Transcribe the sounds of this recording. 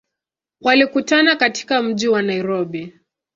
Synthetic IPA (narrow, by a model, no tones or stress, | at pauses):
walikutanakati̥kam̩ʄiwanaiɾɔɓi